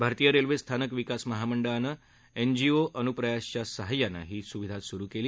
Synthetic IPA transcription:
bʱaɾt̪ijəɾelʋest̪ʰanəkʋikasməɦaməɳɖəɭanə | end͡ʑioʔənupɾəjaɕt͡ɕasəɦəjːanːa̰ɦiːsuʋid̪ʱat̪suɾukeliː

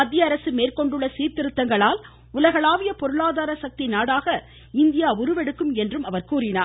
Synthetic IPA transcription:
ɐd̪ːɪjɐɐɾɐsɯmeːrkɔɳɖɯɭːɐsiːɾt̪ɪɾɯt̪ːɐŋɡɐɭaːl | ʊlɐɣɐɭaːʋɪjɐpɔɾɯɭaːðaːɾɐsɐk̚t̪ɪnaːɽaːɣɐ | ɪnd̪ɪjaːʊɾɯʋɛɽɯkːɯmɛndrɯmɐʋɐɾkuːɾɪna̰ː

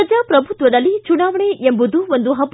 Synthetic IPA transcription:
ɐd͡ʒaːpɾɐbʱut̪ʋɐd̪ɐlːit͡ʃuɳaːʋɐɳeʔembud̪uond̪uɦɐb

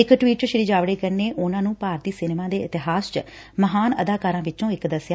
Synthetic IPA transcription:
ɪkʈʋiːʈt͡ʃəʃəɾiːd͡ʒaːʋɽeːkəɾneːʔʊnãːnũːpaːɾt̪iːsɪneːmãːd̪eːɪt̪ɪɦaːst͡ʃə | məɦaːnəd̪aːkaːɾãːʋɪt͡ʃõːɪkd̪əsjaː

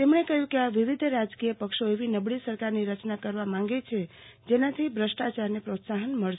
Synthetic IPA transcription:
t̪emɳ̃ekəɦjũkeaʋiʋid̪ʱɾad͡ʒkijəpəkʃoeʋinəbɭisəɾkaɾniɾət͡ʃnakəɾʋamãŋɡet͡ʃʰe | d͡ʒenat̪ʰibʱɾəsʈat͡ʃaɾnepɾot̪saɦənməɭʃ

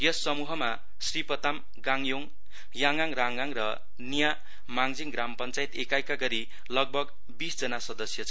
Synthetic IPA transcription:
jʌsːʌmuɦʌma | sripʌt̪am | ɡaŋjoŋ | jaŋaŋraŋɡaŋrʌ | nija | maŋd͡ziŋɡɾampʌnt͡sajit̪ekajkaɡʌɾi | lʌɡ̚bʱʌɡ | bisd͡zʌnasʌd̪ʌsjʌt͡sʰʌ

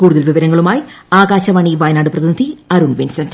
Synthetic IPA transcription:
kuːɽuðɐlʋiʋɐɾɐŋːɐɭumaːjiaːɣaːɕɐʋɐːɳiʋɐːjnaːɖɨprɐðinid̪ʰʱiɐɾunʋinsɐnd

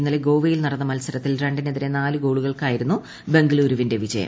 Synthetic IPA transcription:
inːɐleɡo̞ːʋɐjilnɐɽɐnːɐmɐlsɐɾɐt̪ːilreɳɖineðiɾe̞naːlɨɡo̞ːɭuɣɐɭkaːjiɾunːu | be̞ŋɡɨɭuːɾuʋinde̞ʋid͡ʑɐjɐ̰m

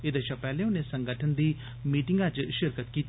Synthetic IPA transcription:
ɪd̪əʃapɛːlẽːʊnẽːsəŋɡəʈʰənd̪iː | miːʈɪŋɡãt͡ʃʃɪɾkət̪kiːt̪

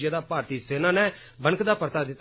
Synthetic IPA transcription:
jaːd̪aːpaːɾt̪iːseːnaːnɛ̃ːbənkd̪aːpəɾt̪aːd̪ɪt̪ː

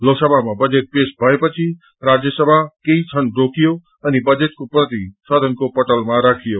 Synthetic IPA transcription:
loːksəbʱamãbɐd͡ʒeːt̪̚peːsbʱəepət͡ʃʰi | ɾaːd͡ʒjəsəbʱakeit͡ʃʰənɖokijo | ɐnibəd͡ʒeːt̪̚kopɾət̪isəd̪ʱənkopəʈəlmãɾaːkʰijoː

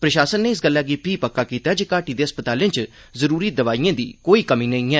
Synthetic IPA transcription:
pɾəʃaːsənːeːɪs̬ɡəlːaːɡiːpʰiːpəkːaːkiːt̪aːd͡ʒeːkaːʈiːd̪eːəspət̪aːlɪ̃t͡ʃ | zəɾuːɾiːd̪əʋaːijãːd̪ḭːkoːiːkəmĩːnəĩːɛː

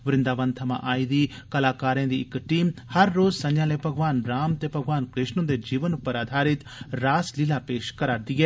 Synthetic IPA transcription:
ʋɪɾɪ̃nd̪aːʋə̃nt̪ʰəmã̰ːʔaːiːd̪iː | kəlaːkaːɾjãːd̪iːɪkʈiːmhəɾːoːzsə̃ɲd͡ʒãːleːbʱəɡʋaːnɾaːmt̪eːpəɡʋaːnkɾɪʃnõːd̪eːd͡ʒiːʋənʊpːəɾaːd̪ʱaːɾɪt̪ | ɾaːslɪlaːpeːʃkəɾaːɾd̪iːɦɛː

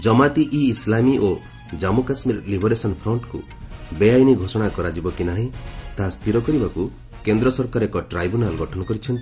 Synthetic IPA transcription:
d͡ʒɔmat̪iʔiːslamiʔo | d͡ʒamukasmiɾɔlibʱɔɾesɔnpʰɾɔɳʈkṵ | bejajniɡʱosɔɽ̃akɔɾad͡ʒibɔkinaɦĩt̪aɦast̪ʰiɾɔkɔɾibaku | kend̪ɾɔsɔɾkaɾekɔʈɾajbunalɡɔʈʰɔnɔkɔɾit͡ʃʰɔnt̪i

